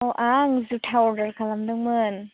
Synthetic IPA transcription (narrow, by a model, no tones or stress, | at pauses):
ɔʔaŋzutʰaɔɾdɐɾkʰalamdɯŋmɯn